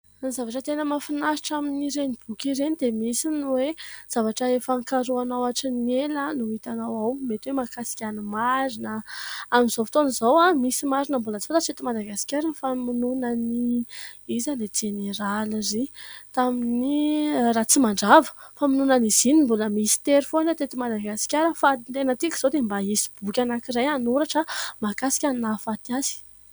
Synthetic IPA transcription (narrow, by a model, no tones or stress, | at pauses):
anizavaʈ͡ʂət̪enəmafinaɾiʈ͡ʂaminiɾenib̥ukʲiɾenid̪emisinwez̥avaʈ͡ʂəefaŋkaɾuanawaʈ͡ʂinelanuit̪anawawmet̪wemakasi̥kʲanimaɾinəamiz̥ofit̪onizowamisimaɾinəmbuləd̪ifat̪at͡set̪imad̪aɡasi̥kʲaɾinfaminunəni | izaled͡ʒeneɾalzit̪aminirat͡simaɳɖ͡ʐavə̥faminunəniz̥inimbuləmisi̥t̪eɾfonat̪et̪imad̪aɡasi̥kʲaɾəfat̪enət̪ikʲz̥od̪embaisi̥b̥ukʲanakiɾajanuɾaʈ͡ʂəmakasi̥kʲaninafat̪iazi̥